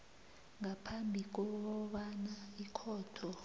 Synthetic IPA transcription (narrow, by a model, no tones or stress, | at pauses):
ŋapʰambʱik̬ɔɓɓanaikʰɔːtʰɔ